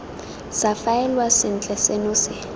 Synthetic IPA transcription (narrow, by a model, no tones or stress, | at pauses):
safaɛlwasɪnt͡ɬʼɛsɛnosɪ